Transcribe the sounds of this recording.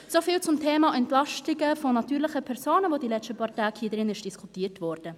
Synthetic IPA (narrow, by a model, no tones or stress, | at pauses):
sofiːlt͡sʊmtʰeːmɑʔɛntlɑʃtɪɡəfonɑtyːɾlɪχəpʰɛɾsoːnəvoːdilɛstəpʰɑːɾtaːkhiːəd̥ʁɪnɪʃd̥iskʰutiːətvɔɾd̥ə